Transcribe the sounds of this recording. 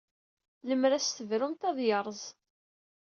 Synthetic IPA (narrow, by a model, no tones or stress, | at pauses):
ləmɾæst̪əvɾumt̪ɑðˤjəɾˤzˤ